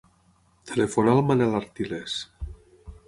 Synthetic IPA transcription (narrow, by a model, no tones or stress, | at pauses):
t̪ʰelefonalmanelaɾt̪iles